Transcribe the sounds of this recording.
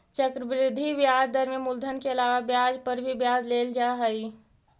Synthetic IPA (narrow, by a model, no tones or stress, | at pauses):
t͡ʃəkɾəbɾɪd̪ʱːiʋjaːd͡ʒd̪əɾmẽmʊld̪ʱənkeɐlaːʋabjaːd͡ʒpəɾbʱibjaːd͡ʒleːld͡ʒaːɦəi